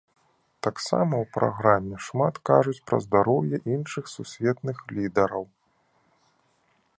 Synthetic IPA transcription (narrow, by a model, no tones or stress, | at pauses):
t̪aksa̰mɐwpɾa̰ɣɾamʲːɛʂmat̪kaʐut͡sʲpɾɐ̰zd̪aɾɔwjɛʔinʂɨxsusʲvʲɛt̪nɨxlʲid̪ɐɾɐw